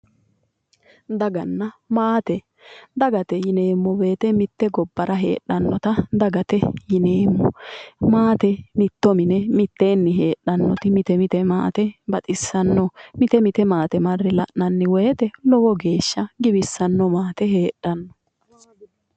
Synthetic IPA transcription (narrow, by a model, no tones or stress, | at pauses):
d̪ɐɡɐnːɐmaːt̪ɛ | d̪ɐɡɐt̪ɛjɪne̞ːmːɔbeːt̪ɛmɪt̪ːɛɡɔbːɐɾʔɐɦḛːɗːɐnːɔt̪ɐd̪ɐɡɐt̪ɛjɪne̞ːmːɔmaːt̪ɛmɪt̪ːɔmɪnɛmɪt̪ːe̞ːnːɪɦe̞ːɗːɐnːɔt̪ɪmɪt̪ɛmɪt̪ɛma̰ːt̪ɛbɐt̪ʼɪsːɐnːɔmɪt̪ɛmɪt̪ɛmaːt̪ɛmɐrːɪlɐʔnɐnːɪwɛjt̪ɛlɔwɔɡeːʃːɐɡɪbɪsːɐnːɔmaːt̪ɛɦe̞ːᶑːɐnːɔ